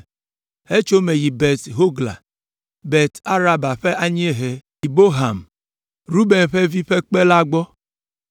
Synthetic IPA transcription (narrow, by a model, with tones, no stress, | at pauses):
he˦t͡ʃo˦me˨ji˨be˨tɦo˦ɡla̰˨ | be˨ta˦ɾa˦ba˨ɸe˦ʔa˦ɲ˦e˦ɦe˨ | i˨bo˦ɦa˨m | ɾu˦be˨nɸe˦vi˦ɸe˦k͡pe˦la˦ɡ͡bɔ˦